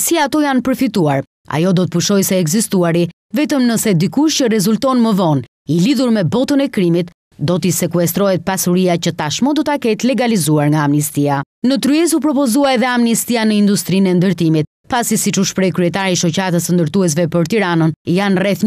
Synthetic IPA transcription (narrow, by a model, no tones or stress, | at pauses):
siat̪ɔjanpəɾfit̪uaɾ | a̰jɔd̪ɔt̪əpuʃɔjsɛːɡzist̪uaɾi | vɛt̪əmnəsɛd̪ikuʃcərɛzult̪ɔnməvɔn | iliðuɾmɛbɔt̪ənɛkɾimit̪ | d̪ɔt̪isɛkuɛst̪ɾɔɦɛt̪̚pasuɾiacət̪aʃmɔd̪ɔt̪akɛt̪lɛɡalizuaɾŋɡaːmnist̪ia | nət̪ɾyɛsupɾɔpɔzuaɛðɛamnist̪ianəind̪ust̪ɾinɛnd̪əɾt̪imit̪̚ | pasisit͡ʃuʃpɾɛjkɾyɛt̪aɾiʃɔcəɾat̪əsənd̪əɾt̪uɛs̬vɛpəɾt̪iɾanənijanrɛθ